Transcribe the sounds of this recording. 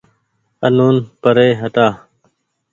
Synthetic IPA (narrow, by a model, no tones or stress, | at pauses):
ənuːnpəɾeːɦət̪aː